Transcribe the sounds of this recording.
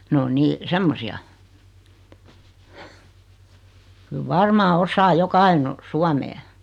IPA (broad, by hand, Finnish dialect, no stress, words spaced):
ne o niː semːosiɑ kyl ʋɑrmɑː osɑː jokɑ ɑino suɑmeː